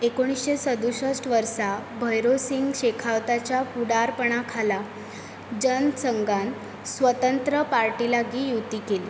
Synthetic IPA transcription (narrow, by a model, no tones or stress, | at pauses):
ekoɽ̃isɕesəd̪uɕəsʈʋəɾsabʱəjɾosiŋɡɕekʰaʋt̪at͡ɕjapuɽaɾpəɳ̃akʰala | d͡ʑənsəŋɡan | sʋət̪ənt̪ɾəpaɾʈilaɡiːjut̪iːkeli